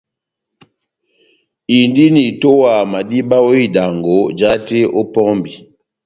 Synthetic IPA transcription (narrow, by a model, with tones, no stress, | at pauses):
i˨ndi˦ni˨to˦wa˨ma˨di˦ba˦wo˦i˦da˨ŋɡo˨˦d͡ʒa˦te˦o˦pɔ˦mbi˨